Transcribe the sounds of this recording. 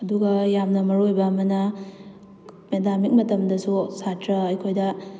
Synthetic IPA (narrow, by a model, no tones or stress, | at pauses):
ɐduɡɐjamnɐmɐɾojbɐːmɐnɐ | medamik̚mɐtɐmdɐsusatʰɾɐɐjkʰojdɐ